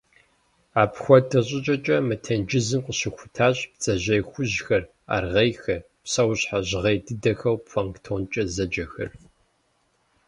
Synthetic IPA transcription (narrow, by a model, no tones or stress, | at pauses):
aːpxʷɔdʰɐɕʼɪt͡ʃʼɐt͡ʃʼɐmɨtʰɐnd͡ʒɪzɨmqʷəɕɪxʷʊtʰaːɕʼp̚t͡sʼɐʑɐjxʷʊʑxɐr | a̰rʁɐjxɐ | psɐwɕħaʑʁejdɨdɐxɐwpʰʷɐŋktʰoːnt͡ʃʼɐzɐd͡ʒɐxɐ̰r